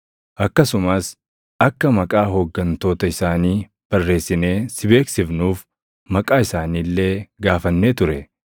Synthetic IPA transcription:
ʔɐkːɐsʊmɐs | ɐkːɐmɐkʼaːɦɔɡːɐnt̪o̞ːt̪ɐɪsaːniː | b̥ɐrːe̞ːsːɪne̞ːsɪbe̞ːksɪfnuːf | mɐkʼaːɪsaːniːlːe̞ːɡaːfɐnːeːt̪ʊɾɛ

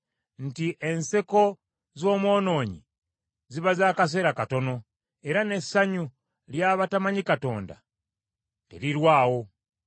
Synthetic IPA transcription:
n̩tiʔe̞nseko̞ | zo̞ːmwo̞ːno̞ːɲḭ | ziβazaːkas̬e̞ɾakato̞no̞ | e̞ɾane̞saɲu | ljaːβatamaɲikato̞̰ːnda̰ | tḛɾiɾwaːwo̞

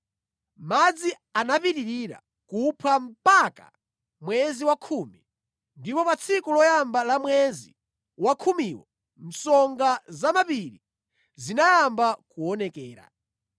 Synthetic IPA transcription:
mad͡zi | anapiɾiɾiɾa̰ | kupʰam̩paka̰ | mwɛziwakʰuːmi | ndipɔpat͡sʰikulɔjambalamwɛzi | wakʰumiːwɔ | m̩sɔŋɡazamapiɾi | zinajambakuɔnɛkɛːɾa̰

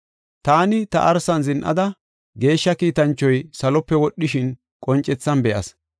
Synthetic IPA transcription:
t̪aːnɪt̪ɐ̰ʔɐɾsɐnzɪnʔɐ̰d̪ɐ | ɡe̞ːʃːɐkiːt̪ɐnt͡ʃːɔjsɐlɔpːɛwɔɗːɪʃɪn | kʼɔnt͡ʃʼːɛt͡sːɐnbɛʔɐ̰s

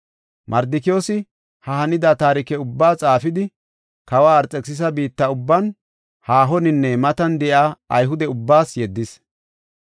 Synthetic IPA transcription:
mʔɐɾd̪ɪkɪjoːsɪ | hɐhɐnɪd̪ɐt̪aːɾɪkɛʊbːaːt͡sʼaːfɪd̪ɪ | kɐwaːɾt͡sʼɛksɪs̬ɐbiːt̪ːɐʊbːɐn | haːɦɔnɪnːɛmɐt̪ɐnd̪ɛʔaːɐ̰jɦʊd̪ɛʊbːaːsjɛd̪ːɪs

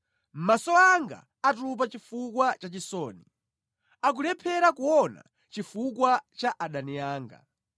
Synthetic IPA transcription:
m̩masɔaŋɡa̰ːtup̬at͡ʃifukwat͡ʃat͡ʃisɔːni | ak̬ulɛpʰɛɾakuɔna̰ | t͡ʃifukwat͡ʃaʔaɗaniaːŋɡa̰

